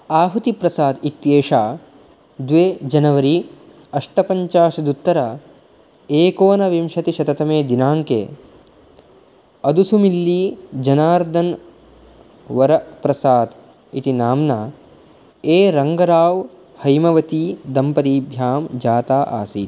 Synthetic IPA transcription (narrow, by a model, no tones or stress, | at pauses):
aːɦut̪ipɾɐsaːd̪it̪jeːʂaː | d̪ʋeːd͡ʒɐnɐʋɐɾi | ɐʂʈɐpɐɲt͡ʃaːʃɐd̪ut̪ːɐɾa | eːkoːnɐʋimʂɐt̪iʃɐt̪ɐt̪ɐmeːd̪inaːŋkḛː | ɐd̪usumilːiːd͡ʒɐnaːɾd̪ʱɐn | ʋɐɾɐpɾɐsaːd̪ | it̪inaːmnaː | eːɾɐŋɡɐɾaːʋ | hɐjmɐʋɐt̪iːd̪ɐmpɐt̪iːbʱjaːmd͡ʒaːt̪aːʔa̰ːsḭːt̪